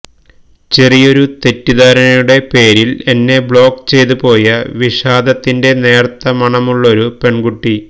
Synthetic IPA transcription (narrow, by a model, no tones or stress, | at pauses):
t͡ɕe̞rijo̞ɾut̪e̞tːiðaːɾɐnɐjuɽe̞pe̞ːɾile̞nːe̞bɭo̞ːkːt͡ɕe̞jt̪̬upo̞ːjɐʋiʂaːd̪ɐt̪ːinde̞ne̞ːrt̪ːɐmɐɳɐmuɭːɐoɾupe̞ɳɡuʈːi